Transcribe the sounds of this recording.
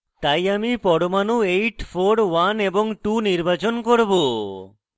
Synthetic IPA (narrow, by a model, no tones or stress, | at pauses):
t̪ajamipɔɽomanuejʈfʰoɾwaneboŋʈuniɾbat͡ɕonkoɾbo